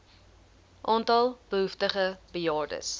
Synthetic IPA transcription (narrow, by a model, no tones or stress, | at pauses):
ʔɑːntɐlˠb̥əɦuftəχəb̥əjɑːrdə̰s